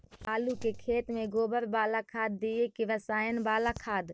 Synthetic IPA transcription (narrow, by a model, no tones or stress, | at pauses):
aːlukekʰeːt̪mẽɡoːbəɾbaːlakʰaːd̪ːiekiʋəsaːjənbaːlakʰaːd̪